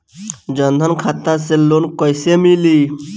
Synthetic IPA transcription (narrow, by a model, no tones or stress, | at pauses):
d͡ʒənd̪ʱənkʰat̪aselonkɔjsemili